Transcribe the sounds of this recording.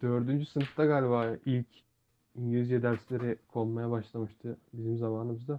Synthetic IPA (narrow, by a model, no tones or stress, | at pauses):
d̪̥øɾd̪ynd͡ʒysɯnɯft̪aɡaːlʲibaːilʲc | iɲɟilʲizd͡ʒɛd̪æɾslʲe̞ɾɛkʰo̞lˠmajabaʃlˠamɯʃt̪ʰɯbizimzamaːnɯmɯzd̪a